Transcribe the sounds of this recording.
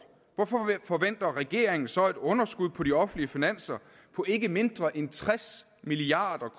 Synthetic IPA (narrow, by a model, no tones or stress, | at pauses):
ʋɒfɒfɒ̽ʋen̰d̥ɐʁɛɡ̥e̝̰ɐ̰eŋn̩sɒ̽e̝d̥ɔ̽nɐsɡ̥uð̞̰ˠpʰɒ̽ɾiɒ̽fn̩liəfinæn̰sɐ | pʰɒ̽ʔe̝ɡ̥əme̝nd̥ʁɐʔent͡sʰʁɛs | miliɑ̈ːd̥ɐkʰ